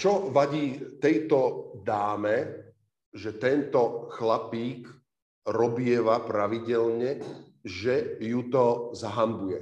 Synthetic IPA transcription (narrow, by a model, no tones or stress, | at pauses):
t͡ʃɔʋaɟiːt̪ɛjt̪ɔd̪aːmɛ | ʒɛt̪ɛnt̪ɔxlapiːk | ɾɔbɪɛʋapɾaʋiɟɛlɲɛ | ʒɛjut̪ɔzaɦambujɛ